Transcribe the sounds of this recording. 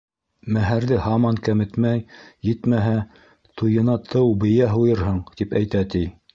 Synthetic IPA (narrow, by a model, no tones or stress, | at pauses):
mæɦæɾðɘhɑmɑŋkæmɘ̆t̪mæjjɘt̪mæɦæ | t̪ʰujɤ̆nɑt̪ʰɤwbɘ̆jæɦujɤɾɦɤɴt̪ipæjt̪æt̪i